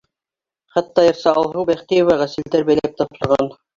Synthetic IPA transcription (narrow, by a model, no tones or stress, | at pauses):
χæt̪ːɑjɤ̆ɾsɑɑlˠɦɤwbæχt̪ijŏvɑʁæsɘ̆ld̪æɾbæjlæp̚t̪ɑpʃɤ̆ɾʁɑn